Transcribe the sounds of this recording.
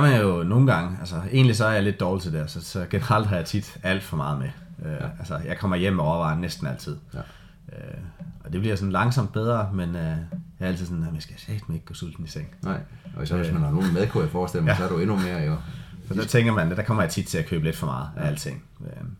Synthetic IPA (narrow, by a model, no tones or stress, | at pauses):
ɑmæjo̝no̝ːn̩ɡ̥ɑ̈ŋəælsɐe̝̰ːnlis̬ɒ̽æɐjɑle̝d̥̚d̥ɒːlt͡sʰed̥esɒ̽sɒɡ̥e̝nəʁɑ̈l̰d̥ɦɑ̈jɑ̈t͡sʰid̥æl̰d̥fɒ̽mɑ̈ːðˠmeʔøælsəjɑ̈ɪkʰɒ̽mɐjem̰ːeɒɐʋɑ̈ːnnːesd̥n̩æl̰t͡sʰið̞̰ˠ | øɒ̽d̥e̝b̥liɐsɒ̽n̩lɑ̈ŋsɒ̽m̰d̥̚b̥eð̞ˠʁɐmenøjɑɐæl̰t͡sʰið̩sɔ̽nɑmjæsɡ̥æjsæd̥mene̝ɡ̥̚ɡ̥oːsul̰d̥n̩iseŋ̰ | sʋesmænhɑno̝ːln̩meðˠkʰujafɒːsd̥el̰mæsɒɐɾeenume̝ːɐjosɒ̥æt͡sʰeŋɡ̥ɐmænd̥ækʰɒ̽mɐjɑ̈t͡sʰid̥t͡sʰe̝lækʰøːb̥le̝d̥fɒ̽mɑ̈ːð̩ˠæælət͡sʰe̝ŋ̰ | ø